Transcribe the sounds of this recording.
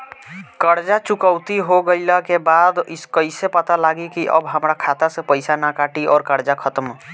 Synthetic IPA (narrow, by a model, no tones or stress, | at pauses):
kəɾd͡ʒat͡ʃukəʊt̪iɦoɡəɪləkebad̪iskəɪsepət̪alaɡikiʔə̰bɦəmɾakʰat̪asẽpəɪsanakaʈiɔːɾkəɾd͡ʒakʰət̪əm